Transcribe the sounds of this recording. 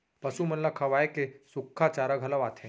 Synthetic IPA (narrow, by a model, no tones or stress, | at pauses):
pɐsumɐnlakʰɐʋaːekesʊkʰːat͡ʃaːɾaɡʱɐlaʋaːt̪ʰẽ